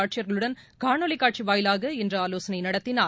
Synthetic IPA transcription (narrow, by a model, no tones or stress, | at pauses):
aːʈ̚t͡ʃɪjɐɾɣɐɭɯɽɐnkaːɳoːlɪkːaːʈ̚t͡ʃiʋaːjɪlaːɣɐɛndrɐaːloːsɐnɐɪnɐɽɐt̪ːɪnaː